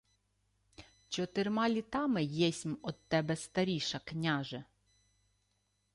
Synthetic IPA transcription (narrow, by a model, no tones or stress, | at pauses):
t͡ʃɔt̪ɪrmɑlʲit̪ɑmɪjɛsʲmɔd̪̚t̪ːɛbɛst̪ɐɾʲiʃɐknʲaʒɛ